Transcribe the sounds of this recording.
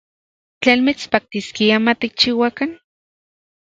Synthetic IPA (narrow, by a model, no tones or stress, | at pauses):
t͡ɬenmit͡spak̚t̪iskiamat̪ik̚t͡ʃiwakan